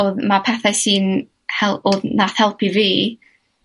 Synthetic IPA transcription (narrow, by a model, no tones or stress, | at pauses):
oðmapʰɛθɛsiːn | hɛlˠoðnaθhɛlˠpʰiviː